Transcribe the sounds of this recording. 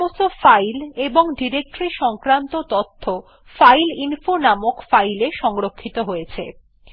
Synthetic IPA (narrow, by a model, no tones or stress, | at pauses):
ost̪ofajleboŋɖiɾek̚ʈɾiʃɔŋkɾant̪ot̪ot̪ʰːo | fajlinfonamokfajleʃɔŋɾokʰːit̪oɦojet͡ɕʰḛ